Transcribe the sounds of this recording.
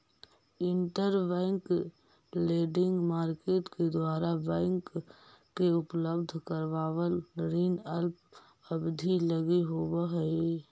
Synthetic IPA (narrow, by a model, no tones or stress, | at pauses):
ɪɳʈəɾbɛ̃ːŋk | leːɖɪ̃ŋɡmaːɾkeːʈked̪waːɾabɛ̃ːŋkː | eʊpləbd̪ʱkəɾʋaːwəlɾiːnəlp | əbd̪ʱiləɡiɦobəɦəi